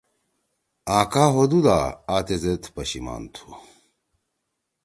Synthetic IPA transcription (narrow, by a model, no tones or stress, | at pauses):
ãːkaːɦod̪ula̰aːt̪ezet̪pɐɕima̰ːnt̪ʰu̥